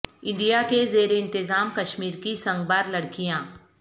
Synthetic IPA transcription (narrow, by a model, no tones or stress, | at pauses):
ɪ̃ɳɖijakezeːɾeɪ̃nt̪ɪzaːmkɐʃmiːɾkisɐ̃ŋɡbaːɾlɐɽkijãː